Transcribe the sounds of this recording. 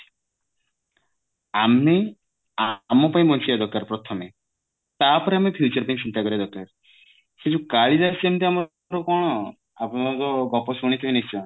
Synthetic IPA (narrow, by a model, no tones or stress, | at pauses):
ame | amɔpaj̃mɔnsʰiad̪ɔkːaɾpɾɔt̪ʰɔme | t̪apɔɾeamepʰjut͡ʃɔɾpaĩt͡ʃint̪akɔɾiad̪ɔkːaɾ | set͡ʃukaɭid̪aɾsemt̪iamɔ | ɾɔkɔɽ̃ɔ | apɔɾɔɡɔpɔsuɽ̃it̪ʰɔinisɔ